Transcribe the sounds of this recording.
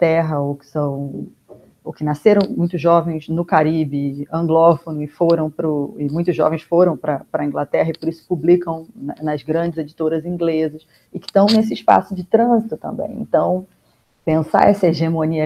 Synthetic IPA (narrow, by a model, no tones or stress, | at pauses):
t̪ɛɦɐokɪ̥sɐ̃w̃ | okɪnaseɾɐ̃w̃mũj̃t̪ʊzʒːɔvẽj̃znʊkaɾibɪɐ̃ŋɡlɔfonʊɪfoɾɐ̃w̃pɾʊɪmũj̃t̪ʊʒɔ̰vẽj̃sfoɾɐ̃w̃pɾɐpɾɐĩŋɡlat̪ɛɦɐɪpoɾisʊ̥publikɐ̃w̪̃ɐnɐzɡɾɐ̃d͡ʒɪzed͡ʒit̪oɾɐzĩɡlezɐs | ɪkɪ̥t̪ɐ̃w̃nes̬ɪɪʃpa̰sʊd͡ʒɪt̪ɾɐ̃zit̪ʊt̪ɐ̰̃mbḛ̃j̃ḛ̃nt̪ɐ̃w̃ | pẽsa̰ɛsɐeʒemõniɐ